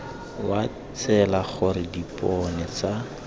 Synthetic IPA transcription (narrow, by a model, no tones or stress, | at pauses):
wa | t͡sʰɛlaχʊɾɪdipʼɔnɛt͡sa